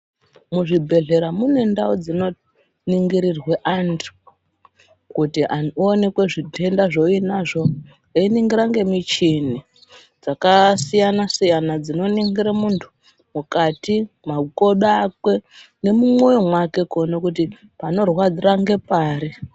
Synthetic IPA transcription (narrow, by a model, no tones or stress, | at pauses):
muʐibʱe̞ɮe̞ɾamune̞ndaud͡zino̞ | niŋɡiɾirweʔantʰu̥ | kutiʔaoːne̞kwe̞ʐitʰe̞ndaʐo̞inaʐo̞ | einiŋɡiɾaŋɡe̞mit͡ʃini | d͡zakasijanasijanad͡zino̞niŋɡiɾamuntʰu̥ | mukati | mako̞ɗakwe̞ | ne̞mumwo̞jomwake̞konokuti | pano̞rwad͡ziraŋɡe̞paːɾi